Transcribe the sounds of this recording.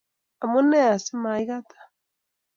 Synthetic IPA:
a˨mu˦nɛ˦a˨si˦ma˨i˦ɣa˦tʰḁ˨

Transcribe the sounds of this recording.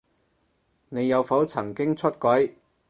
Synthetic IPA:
ne˨˧jːɐ˨˧wfɐ˨˥wt͡sʰɐ˨˩ŋkɪ˥ŋt͡sʰɵ˥t̚kʷɐ˨˥j

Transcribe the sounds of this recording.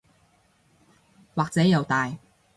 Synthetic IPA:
waː˨k̚t͡sɛː˨˥jɐ˨˧wt̪aː˨j

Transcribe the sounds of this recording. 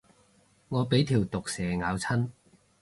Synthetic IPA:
ŋɔː˨˧pe˨˥jt̪ʰiː˨˩wt̪ʊ˨k̚sɛː˨˩ŋaː˨˧wt͡sʰɐ˥n

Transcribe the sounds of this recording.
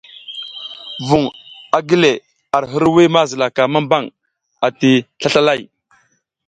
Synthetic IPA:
vu˨ŋa˨ɡi˦le˨ | a˨ɾɦə˦ɾwi˦ma˦zə˨la˨ka˨ma˦mba˦˨ŋ | a˨ti˨ɬa˦ɬa˦la˦˨j

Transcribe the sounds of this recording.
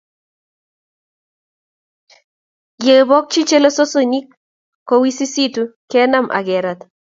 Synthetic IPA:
je˨bɔ˦k̚t͡ʃi˦t͡ʃe˦lo˦so˦so˦˨ɲi˦kː | ɔ˨˦wi˦si˦si˦tu˦kɛ˦na˦mʔa̰˨ɡɛ˨ɾa˨t̪

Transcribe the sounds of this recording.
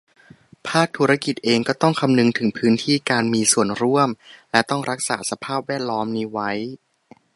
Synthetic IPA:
pʰaː˥˩k̚t̪ʰuː˦˥ɾa˦˥ki˨˩t̪̚ʔeː˧ŋkɔː˥˩t̪ɔ˥˩ŋkʰa˧mnɯ˧ŋt̪ʰɯ˩˦ŋpʰɯː˦˥nt̪ʰiː˥˩kaː˧nmiː˧su˨˩ənɾu˥˩əmlɛ˦˥t̪ɔ˥˩ŋɾa˦˥k̚sa̰ː˩˦sa˧pʰaː˥˩p̚wɛː˥˩t̪̚lɔː˦˥mniː˦˥wa˦˥j

